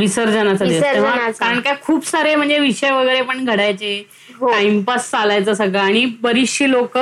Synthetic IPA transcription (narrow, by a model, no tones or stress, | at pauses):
ʋisəɾd͡zəñat͡sad̪eʋaakaɾəɳkakʰuːpsaɾem̤əɳd͡zeʋiɕəjʋəɡəjɾepəɳɡʱəɽajt͡se | ɦoaimpast͡salajt͡səsəɡʱaaɽ̃ibəɾiɕilok